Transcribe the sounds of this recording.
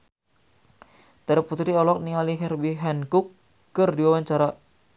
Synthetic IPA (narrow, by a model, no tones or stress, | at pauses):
t̪əɾəput̪ɾiɔlɔk̚niŋaliɦɛrbiɦɛnkukː | ərdiwawaɲt͡ʃaɾa